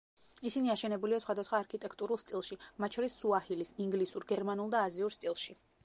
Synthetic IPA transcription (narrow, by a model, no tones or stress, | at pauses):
isiniaʃɛnɛbuliasχwad̪asχwaːɾkʰit̪ʼɛkʰt̪ʼuɾulˠst̪ʼilˠʃimat̪̚ʼt͡ʃʰɔɾisːuahilisiŋɡlisuɾɡɛɾmanulˠd̪aːziuɾst̪ʼilˠʃi